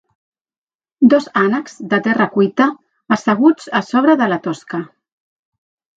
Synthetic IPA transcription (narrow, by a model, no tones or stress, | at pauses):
d̪ɔzanəkz̥d̪ət̪ɛrəkujt̪əː | səɣ̞ud͡zəsɔβ̞ɾəðələt̪ɔskə